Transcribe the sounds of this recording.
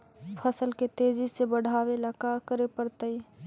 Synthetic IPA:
pʰəsəlket̪eːd͡ʒisebəɽ̤ʱaːwelakakəɾepəɾt̪əi

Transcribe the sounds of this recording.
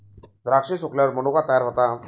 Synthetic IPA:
d̪ɾakʂesokljaʋəɾməñokat̪əjaɾɦot̪a

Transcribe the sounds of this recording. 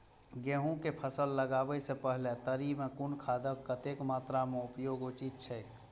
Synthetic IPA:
ɡeːɦũkepʰəsəlːəɡaːbəisepəɦlet̪əɾimẽkʊnkʰaːd̪əkːət̪eːkmaːt̪ɾamẽʊpjoːɡot͡ʃit̪̚t͡ʃʰɛ

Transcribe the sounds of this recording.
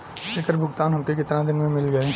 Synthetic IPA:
leːkəɾbʱʊɡt̪aːnɦɐmkekɪt̪ɾãd̪ɪnmẽmɪlɡɐ

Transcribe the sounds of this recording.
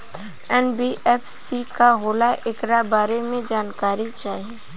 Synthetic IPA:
ɛnbiʔɛːfsikaɦoːlaʔɪkɾabaːɾemẽd͡ʒaːnkaːɾit͡ʃaːɦieː

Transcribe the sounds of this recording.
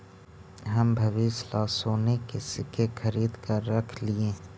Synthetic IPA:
ɦɐmbʱɐʋiːslaːsoːnekesɪkʰexɐɾiːd̪kɐɾːɐkʰliẽː

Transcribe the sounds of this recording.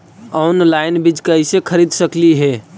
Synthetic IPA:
ɔnlajnbid͡ʒkəisekʰəɾid̪səkliɦe

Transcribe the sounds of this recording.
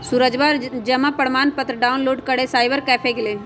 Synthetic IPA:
suɾəd͡ʒbaɾd͡ʒɐmapɐɽmaːnpət̪ɾəɖaːʊnloːɖkəɽesaːɪbəɾkɛːpʰekeleː

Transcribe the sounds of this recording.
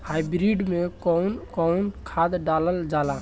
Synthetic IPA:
hajbɾiɖmekɔwnkɔwnkʰad̪ɖaləld͡ʒala

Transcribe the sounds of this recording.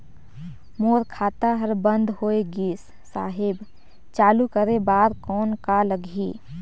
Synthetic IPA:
moːɾkʰaːt̪aɦəɾbə̃nd̪ʱhoːeɡiːsːa̰ːɦɪb | t͡ʃaːlukəɾebaːɾkɔːnkaləɡʱiː

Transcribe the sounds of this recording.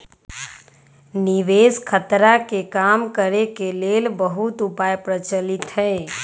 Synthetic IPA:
nɪʋeːskʰət̪ɾakekaːmkəɾekeleːlbəɦʊt̪ʊpaːjpɾət͡ʃəlɪt̪ɦɛː

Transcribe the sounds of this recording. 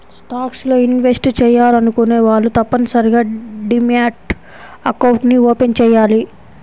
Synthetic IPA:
sʈaːkslo̞ːinʋesʈt͡ʃɛːjːaːlɐnukuneːʋaːɭːut̪ɐpːɐnisɐɾiɡaːɖimjaːʈ | ɐkɐwɳʈnioːpent͡ʃɛːjːaːli

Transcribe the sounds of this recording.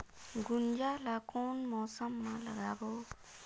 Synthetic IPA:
ɡund͡ʒalakonmɔsəmːaləɡabo

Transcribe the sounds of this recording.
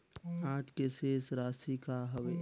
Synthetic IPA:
ãːd͡ʒkeseːsɾaːsikaɦəʋeː

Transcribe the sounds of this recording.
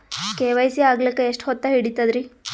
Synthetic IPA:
keːʋɐjsiaːɡlikːeeʂʈhɔt̪ːɐɦiɽit̪ɐd̪ɾi

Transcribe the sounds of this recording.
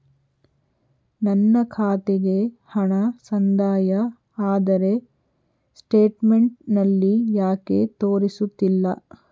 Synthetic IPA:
nɐnːɐkʰaːt̪eɡe̞ | hɐɳɐsɐnd̪aːjɐ | aːd̪ɐɾe̞ | sʈeːʈmeɳʈ̚nɐlːijaːke̞t̪oːɾisut̪ːilːɐ̰

